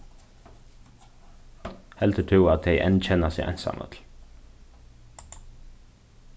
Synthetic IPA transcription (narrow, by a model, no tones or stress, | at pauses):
hɛlt̪ʰəʈʰʉːɑt̪̚d̪eɪʔɛ̰nc͡çɛnɑsiːæ̰ɪnsɑ̰mə̰t̪ʰl̩